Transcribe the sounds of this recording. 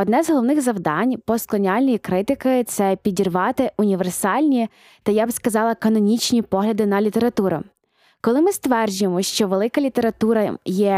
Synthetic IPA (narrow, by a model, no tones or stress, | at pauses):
ɔd̪nɛzɦɔlˠɔʋwnɪɣzɐwd̪ɑnʲpɔsklˠɔnʲɑlʲnʲijikɾɪt̪ɪkɪt̪sɛpʲidʲirʋɑt̪ɪunʲiʋersɑlʲnʲi | t̪ɐjabskɐzɑlˠɐkɐnɔnʲit͡ʃnʲipɔɦlʲɐd̪ɪnɐlʲit̪eɾɐt̪uɾɐ̰ | kɔlˠɪmɪst̪ʋɛrd͡ʒʊjemɔʃt͡ʃɔʋelˠɪkɐlʲit̪e̞ɾɐt̪uɾɐjɛ